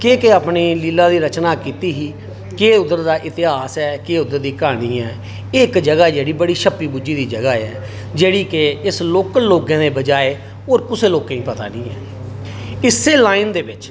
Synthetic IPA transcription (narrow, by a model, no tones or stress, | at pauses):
keːkeaːpniːliːlaːd̪iːɾət͡ʃnaːkiːt̪iːɦiː | keːʊd̪əɾd̪aːʔɪt̪ɪɦaːsɛːkeːʊd̪əɾd̪iːkaːɽ̃iːɛː | ɪkd͡ʒəɡaːd͡ʒeːɽiːbəɽiːʃəpiːbuːd͡ʒiːd̪iːd͡ʒəɡaːɛ̰ː | d͡ʒeːɽiːkeɪsloːkəloːɡẽːd̪eːbəd͡ʒaːeː | oːɾkʊseːloːkãːĩːpət̪a̰ːnḭ̃ːɛ̰ː | ɪsːeːlaːind̪eːbɪt͡ʃ